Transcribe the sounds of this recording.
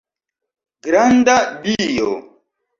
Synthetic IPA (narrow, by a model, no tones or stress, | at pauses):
ɡɾand̪abijo